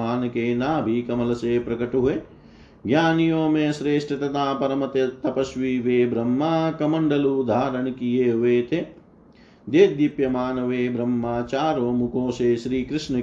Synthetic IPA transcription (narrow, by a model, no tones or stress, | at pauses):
aːnɐkeːnaːbʱikɐmɐlɐseːpɾɐkɐʈuɦeː | ɡjaːnijoːmeːʃɾeːʂʈɐt̪ɐt̪aːpɐɾɐmɐt̪eːt̪ːɐpɐʃʋiːʋeːbɾɐmːaːkɐmɐɳɖɐluːd̪ʱaːɾɐɳikijeːʋeːt̪ʰe | d̪eːd̪ipjɐmaːnɐʋeːbɾɐmːaːt͡ʃaːɾoːmukoːseːʃɾiːkɾɪʂɳɐ